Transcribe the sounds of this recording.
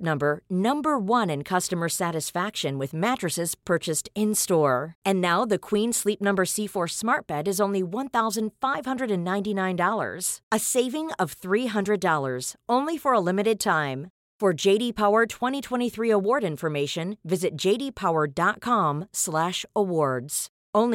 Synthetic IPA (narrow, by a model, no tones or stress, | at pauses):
nʌ̃mbə˞nʌ̃mbə˞wʌ̃nɨ̃nkʰʌstɨmə˞sæɾɨsfækʃɨ̃nwɨðmæt͡ʃɹ̥ɨsɨz̥pʰɜ˞t͡ʃɨstɪ̃nstɔɹɨ̃nːaʊðɨkʰw̥ĩnslip̚nʌ̃mbə˞sifɔ˞smɑɹt̚b̥ɛɾɨzõʊ̃nliwʌ̃nθaʊzɨ̃nd̥faɪv̥hʌ̃ndɹɨɾɨ̃nːãɪ̃ntinãɪ̃ndɔlˠə̰˞z̥ɨseɪvɪ̃ŋʌv̥θɹiɦʌ̃ndɹɨdɔlˠə̰˞z̥ʔõʊ̃nlifə˞əlɪ̃mɨɾɨd̚tʰãɪ̃m | fə˞d͡ʒeɪɾipʰaʊə˞tʰw̥ɛ̃ɾ̃itʰw̥ɛ̃ɾ̃iθɹiəwɔɹɾɪ̃nfə˞meɪʃɨ̃nvɪzɨt̚d̥ʒ̥eɪɾipʰaʊə˞dɑt̚kʰɑ̃mslæʃəwɔɹdz̥ | õʊ̃n